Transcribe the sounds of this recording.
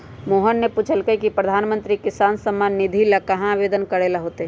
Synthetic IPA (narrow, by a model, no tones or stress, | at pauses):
moːɦənːepuːt͡ʃʰəlkəikipɾəd̪ʱaːnmə̃nt̪ɾikɪsaːnsəmːaːnːɪd̪ʱilakɐɦãʋeːd̪ənkəɾelaɦoːt̪eɦ